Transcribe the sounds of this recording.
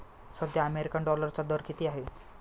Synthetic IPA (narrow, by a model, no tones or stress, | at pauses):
səd̪jaəmeɾikaɳɖɔləɾt͡ɕad̪əɾkit̪iːaɦe